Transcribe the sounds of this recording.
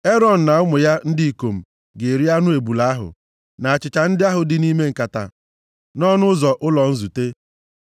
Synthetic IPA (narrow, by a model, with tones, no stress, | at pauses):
e˦ɾɔ˨n̩˨na˨ʊ˦mʊ˨ja˦n̩˦di˦i˨ko˨m̩˨ | ɡe˨e˨ɾi˦a˦nʊ˦e˨bu˨la˦a˦ɦʊ̰˨ | na˨a˨t͡ʃɪ˨t͡ʃa˨n̩˦dɪ˦a˦ɦʊ˨dɪ˨ni˦me˦ŋ̩˨ka˨ta̰˨ | nɔ˦nʊ˦zɔ˨ʔʊ˦lɔ˨n̩˦zu˨te˦